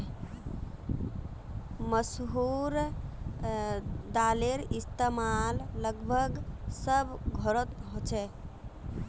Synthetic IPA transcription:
məsɦuɾ | d̪aleɾist̪emalːəɡbʱəɡsəbɡʱɔɾət̪ɦot͡ʃʰɛ

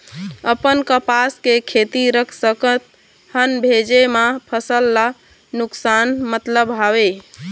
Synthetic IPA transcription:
əpənkəpaskekʰet̪iɾəkʰsəkət̪̚ | hənbʱed͡ʒemapʰəsəlːa | nuksanmət̪ləbɦabe

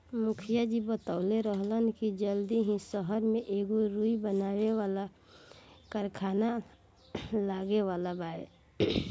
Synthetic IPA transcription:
mʊkʰijad͡ʒibət̪aʊleɾəɦlənkid͡ʒəld̪iɦĩsəɦəɾmẽʔeɡoɾuibənaːwewala | kəɾkʰana | laːɡeʋaːlabaːe

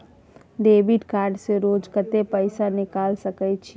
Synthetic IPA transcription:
ɖeːbiɖkaːɾɖseɾoːd͡ʒkət̪epəɪsanɪkaːlsəkət͡ʃʰi

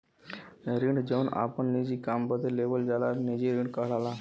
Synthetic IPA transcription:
ɾiɳɖd͡ʑena̰pəɳnid͡ʑiːkambəd̪ʱːelːebəld͡zalaɾnid͡ʑiɾiɳɖkəɦlala

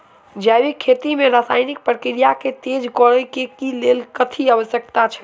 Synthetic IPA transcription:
d͡ʒajbikʰːet̪imeɾasajnik̚pɾəkɾijaket̪ed͡ʒkɔɽəkekilelkət̪ʰiəʋəsjəkt̪at͡ʃʰə̥

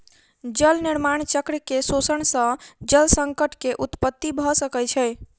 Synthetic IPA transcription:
d͡ʒəlniɾmaɳ̃t͡ʃəkɾəkesosəɳsə̃d͡ʒəlsə̃ŋkəʈʰkeʔut̪pət̪ːibʱɔsəkɛt͡ʃʰɛj

